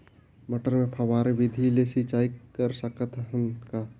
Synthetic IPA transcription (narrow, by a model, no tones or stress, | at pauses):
məʈəɾmẽpʰəʋaːɾeʋɪd̪ʱilesit͡ʃaːikəɾsəkət̪ənka